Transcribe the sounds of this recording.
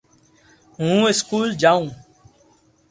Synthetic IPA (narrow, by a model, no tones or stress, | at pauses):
ɦũːɪskuːld͡ʒaːũː